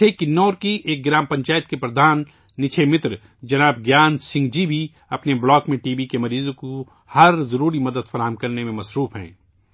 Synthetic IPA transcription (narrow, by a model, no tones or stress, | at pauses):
ekɪnːɔːɾkiʔeːk̚ɡɪɾaːmpɐ̃ɲt͡ʃaːjət̪kepɾɐd̪ʱaːnː | ɪt͡ʃʰemɪt̪ɾ | d͡ʒɐnaːbɡjaːnsɪ̃ŋɡd͡ʒibʱi | ɐpneblɔːkmẽʈiːbikemɐɾiːzõko | hɐɾzɐɾuːɾimɐd̪əd̪fɐɾaːɦəmkɐɾnemẽmɐsɾuːfɦɛ̰̃ː